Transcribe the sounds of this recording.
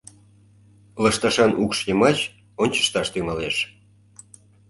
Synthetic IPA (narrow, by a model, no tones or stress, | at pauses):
ləʃt̪ɑʃɑnʔukʃjəmɑt͡ɕ | onʲt͡ɕə̥ʃt̪ɑʃt̪yŋɑleʃ